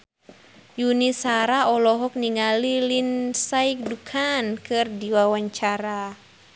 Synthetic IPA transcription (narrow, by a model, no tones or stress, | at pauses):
junisaɾaɔlɔɦɔk̚niŋalilinsaik̚dukʰankʰɨrdiwawaɲt͡ʃaɾa